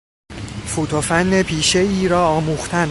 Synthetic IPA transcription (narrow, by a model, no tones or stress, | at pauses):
fut̪ʰofænːepʰiːʃe̞iːɾɒːɒːmuːxt̪ʰæn